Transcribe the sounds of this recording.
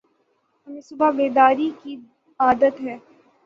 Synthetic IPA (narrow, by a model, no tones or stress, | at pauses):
ɐmẽsʊbabeːd̪aːɾiki | aːd̪ət̪ɦɛː